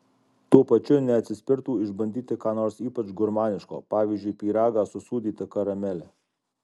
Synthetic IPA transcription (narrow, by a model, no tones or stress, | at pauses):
t̪uɔpɐt͡ʃʲʊnʲɛɐt̪ʲsʲɪsʲpʲɪɾt̪uːɪʒbɐnʲd̪ʲiːt̪ʲɪkɑːnoːɾsiːpɐt͡ʃɡʊɾmɑːnʲɪʃko̰ːpɑːʋʲiːzʲd͡ʒʲʊɪpʲiːɾɑːɡɑːsʊsuːd̪ʲiːt̪ʲɪkɐɾɐmʲɛlʲɛ